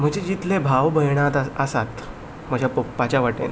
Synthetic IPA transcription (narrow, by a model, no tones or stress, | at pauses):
m̤əɡd͡ʑed͡ʑit̪lebʱaʋbʱəjɽ̃at̪əsat̪ | m̤əd͡ʑʱjapəpːat͡ɕaʋaʈḛn